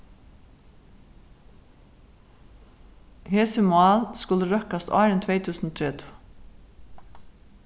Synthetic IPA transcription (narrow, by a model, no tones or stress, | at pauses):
hɛːsəmʊaːlskʊləɾœhkast̪ʔaːɾɛnt̪ʰvɛːt̪ʰʉːsnɔːt̪ʰɾɛːt̪ʰu̥ː